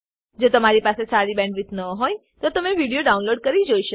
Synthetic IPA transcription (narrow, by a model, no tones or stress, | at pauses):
d͡ʒot̪əmaɾipasesaɾibɛ̃ɳɖʋit̪nəɦojt̪ot̪əmeʋiɽijoɖaunloɖkəɾid͡ʒoiʃə